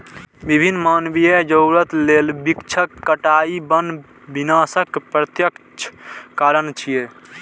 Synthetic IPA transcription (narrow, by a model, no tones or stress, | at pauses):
bibʱinːmanbied͡ʒəʊɾət̪lelbikt͡ʃʰəkːəʈaibən | binasəkpɾət̪jəkt͡ʃʰkaɾənt͡ʃʰije